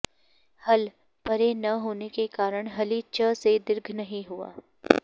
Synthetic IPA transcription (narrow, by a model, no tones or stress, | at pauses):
hɐl | pɐɾenɐɦoːnekekaːɾəɽ̃ɦɐlit͡ʃəsed̪ɪɾɡʱnɐɦĩɦua̰ː